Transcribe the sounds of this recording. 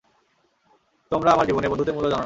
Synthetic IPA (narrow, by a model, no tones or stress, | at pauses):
t̪omɾaamaɾd͡ʑiboneɾbond̪ut̪̬eɾmulːod͡ʑana